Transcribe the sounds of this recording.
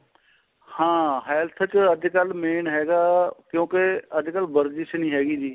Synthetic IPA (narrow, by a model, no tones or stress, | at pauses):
hãːɦɛːlt̪ʰt͡ʃəd̪kəlmeːnɦɛːɡaːkjõːkeəd̪kəlbəɾd͡ʒit͡ʃnĩːɦɛːɡiːd͡ʒiː